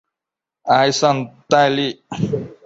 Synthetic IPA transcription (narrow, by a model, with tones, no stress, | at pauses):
a˨jsant̪a˦li